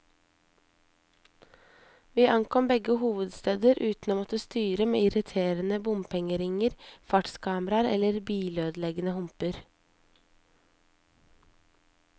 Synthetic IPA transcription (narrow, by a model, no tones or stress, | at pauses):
ʋiːʔɑŋkʰɔmbɛɡəhuːʋəd̪st̪eːd̪əɾʔʉːt̪n̩oːmɔt̪əst̪yːɾəmḛːɪɾɪt̪ʰeːɾənəbʊmpʰɛŋəɾɪŋəɾfɑʈskʰɑːməɾɑɾɛ̰ləɾbiːløːd̪lɛɡənəhʊmpəɾ